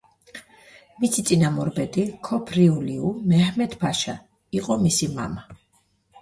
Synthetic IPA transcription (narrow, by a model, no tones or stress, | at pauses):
misit̪sʼinamɔɾbɛd̪ikʰɔpʰɾiuliumɛhmɛd̪ʰbʰaʃa | iqʼɔmisima̰ma